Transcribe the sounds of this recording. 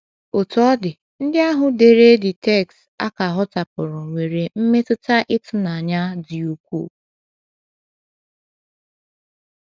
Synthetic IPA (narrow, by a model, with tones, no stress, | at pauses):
ʊ˨tɔ˦dɪ˨ | n̩˦dɪ˦a˦ɦʊ˨de˨ɾe˦dɪ˨tɛ˦˨kst | a̰˦ka˨ɦɔ˦ta˨pʊ˨ɾʊ˨ŋʷe˨ɾe˨m̩˦me˦tʊ˦ta˦ʔɪ˦tʊ˦na˨a˨ɲa˦dɪ˨u˨kʷṵ˦˨